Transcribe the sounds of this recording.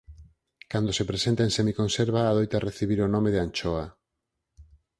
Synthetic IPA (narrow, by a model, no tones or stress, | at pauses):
kand̪osepɾesent̪aẽnsemikõnseɾβaːðojt̪areθiβiɾonõmeðeant͡ʃoa